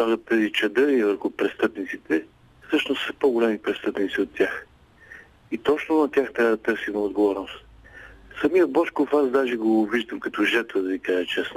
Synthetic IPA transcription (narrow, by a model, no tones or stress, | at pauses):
aɡət̪ːɛzit͡ʃɐd̪ɤivəɾxʊpɾɛst̪ɤpnit̪sit̪ɛ | fsɤʃnʊsə̥poɡolɛmipɾɛst̪ɤpnit̪siot̪ːʲjax | it̪ɔt͡ʃnonɐt̪ʲjaxt̪ɾʲabəd̪ɐt̪ɤɾsimɛod̪ɡovɔɾnost̪ | sɐmijəbɔʃkofazd̪aʒɛɡoviʒd̪əmkɐt̪ɔʒɛt̪vəd̪ɐvikaʒɛt͡ʃɛsno